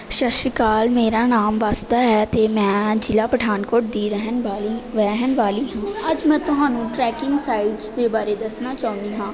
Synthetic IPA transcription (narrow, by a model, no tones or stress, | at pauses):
ʃəʃɪkaːlmeːɾaːnaːmʋaːsd̪aːɦɛːt̪eːmɛ̃ːd͡ʒɪlaːpəʈʰaːnkoːʈ̚d̪iːɾəɦnːʋɛ̃ːɦənʋaːliːɦãːəd͡ʒmɛ̃ːt̪ʊɦãːnũːʈɾɛːkɪŋɡsaːɪɖzd̪eːbaːɾeːd̪əsnaːt͡ʃaːũnd̪iːɦãː